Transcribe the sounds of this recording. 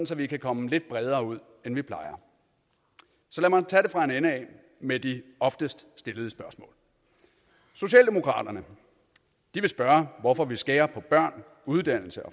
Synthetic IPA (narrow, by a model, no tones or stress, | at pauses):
n̩sɒʋikʰækʰɒ̽məle̝d̥̚b̥ʁɛð̞ˠɐːuð̞̰ˠ | enʋipʰlɑ̈ɪɐ | sɒ̽læmɑ̈t͡sʰɛɾe̝fʁɑ̈e̝nenəɛ | med̥iɒ̽fd̥əsd̥sd̥e̝ləð̞̩ˠəsb̥ɶɐsmɔ̰ːl | so̝ɕɛ̰ːld̥e̝mo̝kʰʁɑ̰̈ːd̥ɐnə | d̥iʋe̝sb̥ɶɐʋɒfɒ̽ʋisɡ̥ɛːɐpʰɒ̽b̥ɶɐ̰n | uðˠd̥æn̰l̩səɒ̽